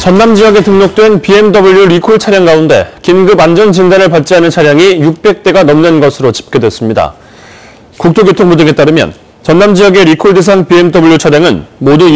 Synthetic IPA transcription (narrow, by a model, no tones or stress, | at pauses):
t͡ɕʌnːamd͡ʑijʌɡe̞tɯŋɲok̚t͈we̞npie̞mdʌbuʎjuɾikʰoɭt͡ɕʰaɾjaŋɡaunde̞̰kinɡɯband͡ʑʌnt͡ɕindanɯɭpat̚t͡ɕ͈ianɯnt͡ɕʰaɾjaŋijuk̚p͈e̞k̚t͈e̞ɡanʌmnɯnɡʌsʰɯɾot͡ɕi̥p̚k͈e̞dwe̞s͈ɯmɲida̰ | kuk̚t͈ʰoɡetʰoŋbudɯŋe̞t͈aɾɯmjʌ̰n | t͡ɕʌnːamd͡ʑiʌɡe̞ɾikʰoɭdes̬ʰaŋpiemdʌbuɭjut͡ɕʰaɾjaŋɯnmodu